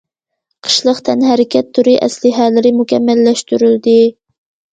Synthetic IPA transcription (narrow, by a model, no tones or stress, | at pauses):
qʰə̥ʃlˠəqt̪ʰɛnɦæɾɪkʲʰɛt̪ʰːuɾiʔɛ̰slɪɦælɪɾɪmukʲɛmːælːɛʃt̪yɾyld̪ɪ